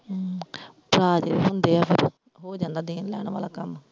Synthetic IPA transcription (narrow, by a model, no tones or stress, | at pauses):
pɾaːd͡ʒeːʋiːɦʊnd̪eːaːpʰɪɾ | ɦoːd͡ʒãːnd̪aːd̪eːnlɛ̰ːɽ̃ʋa̰ːlaːkəm